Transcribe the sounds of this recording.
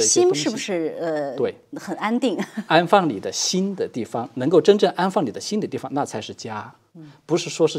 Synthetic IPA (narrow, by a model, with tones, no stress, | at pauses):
ɕi˥nʂɻ̩˥˩bu˩ʂɻ̩˥˩ə˧t̪we˥˩ɪxə˨˩na˥nt̪i˥˩ŋa˥nfɑ˥˩ŋli˨˩d̪ə˦ɕi˥nd̪ə˨t̪i˥˩fɑ˧˩ŋnɤ˧˥ŋko˥˩ʊʈ͡ʂə˥nʈ͡ʂɤ˥˩ŋʔa˥nfɑ˥˩ŋli˨˩d̪ə˦ɕi˥nd̪ə˨t̪i˥˩fɑ˧ŋna˥˩t͡sʰa˧˥ɪʂɻ̩˥˩t͡ɕja˥ | pu˧˥ʂɻ̩˥˩ʂwɔ˥ʂɻ̩˥˩